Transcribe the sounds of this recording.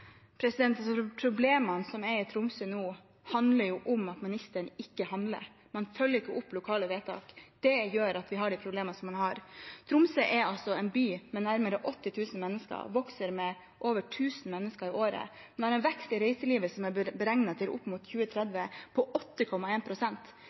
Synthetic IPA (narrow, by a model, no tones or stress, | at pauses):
pʰɾɛsɪd̪ɛnt̪ɑsɔpʰɾʊbleːmɑnsɔmɛɾɪt̪ʰɾʊmsənuː | hɑnd̪ləɾjuːʔʊmɑt̪mɪnɪst̪əɳɪkːəhɑnd̪lə̰ɾ | mɑnfœlːəɾɪkːəʔʊpːlʊkʰɑːləʋeːt̪ʰɑ̰ːkd̪̥ɛjøːɾɑt̪ʋɪɦɑɖɪpʰɾʊbleːmɑsɔmːɑnhɑɾt̪ʰɾʊmsəʔɛɾɑlsɔɛnbyːmɛnæɾməɾəʔɔt̪ːɪt̪ʰʉːsn̩mɛnːəskə̰ɾʋɔksəɾmɛ | ʔoːʋəʈʰʉːsn̩mɛnːəskəɾɪʔoːɾə̰ | ɛnɛhɑɾɛnʋɛkst̪ɪɾæɪsəliːʋəsɔmæbəɾɛŋnɑt̪ʰɪlʔʊ̰pːmʊt̪çʉːət̪ʰɾɛd̪ʋəpʰɔʔɔt̪ːəkʰɔmːɑeːnpʰɾʊsɛnt̪